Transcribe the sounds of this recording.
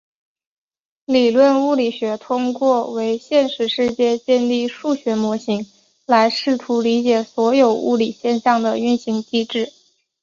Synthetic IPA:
li˨˩lwə˥˧nu˥˩li˨˩ɕɥɛ˧˥t̪ʰʊ˥ŋkwɔ˥˩we˧˥ɪɕjɛ˥˧nʂɻ̩˥˧ʂɻ̩˥˧t͡ɕjɛ˥˧t͡ɕjɛ˥˧nli˥˧ʂu˥˩ɕɥɛ˧˥mwɔ˧˥ɕi˧˥ŋ | la˧˥ɪʂɻ̩˥˩t̪ʰu˧˥li˧˥t͡ɕjɛ˨˩swɔ˧˥jo˨˩ʊṵ˥˩li˨˩ɕjɛ˥˧nɕɑ˥˩ŋd̪ə˩y˥˩nɕi˧˥ŋt͡ɕi˥ʈ͡ʂɻ̩˥˩

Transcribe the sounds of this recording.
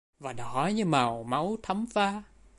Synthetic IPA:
vaː˨˩ɗɔ˨˦ɲɨ˧ma˨˩wma˨˦wt̪ʰə˨˦mfaː˧

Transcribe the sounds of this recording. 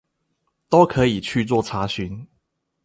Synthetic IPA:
t̪o˦ʊkʰɤ˨˦i˨˩t͡ɕʰy˥˧t͡swɔ˥˨t͡sʰa˨˥ɕy˨˦n

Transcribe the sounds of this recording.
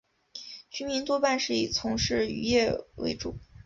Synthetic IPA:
t͡ɕʰy˥nmi˧˥nt̪wɔ˥pa˥˧nʂɻ̩˥˩i˨˩t͡sʰʊ˧˥ŋʂɻ̩˥˩y̰˧˥jɛ˥˩wḛ˧˥ɪʈ͡ʂṵ˥˩

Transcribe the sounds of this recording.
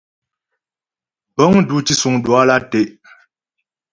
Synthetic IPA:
bɔ˦ŋdu˦t͡ʃi˦su˨ŋdwa˦la˦te˦˨ʔ

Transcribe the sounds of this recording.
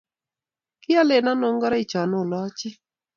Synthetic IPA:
kɪ˦a˦lɪ˨nɔ˦no˦ŋɡɔ˦ɾɔ˦i˨t͡ʃɔ˨nʊ˦˨lɔ˦t͡ʃɪ˦

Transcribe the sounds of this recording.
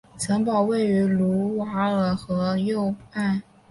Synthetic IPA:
t͡sʰə˧˥npɑ˨˩ʊwe˥˩ɪy˧˥lu˧˥wa˧˥ə˨˩xɤ˧˥jo˥˧ʊa˥˩

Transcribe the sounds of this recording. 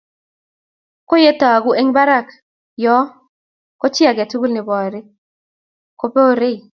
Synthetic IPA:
ko˦je˦ta˨ɡu˦ʔe˦ŋba˦ɾa˦˨k | jɔ˦ | kɔ˦t͡ʃɪ˦a˨ɡa˨tu˦ɡu˦lnɪ˨bɔ˨ɾɪ˦ | ko˦pe˦o˦ɾe˦i˨

